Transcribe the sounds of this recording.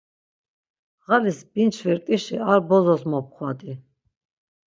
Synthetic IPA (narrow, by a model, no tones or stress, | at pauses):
ʁalisbint͡ʃʰvɛɾt̪ʼiʃiaɾbɔzɔsmɔp̚qʰwad̪i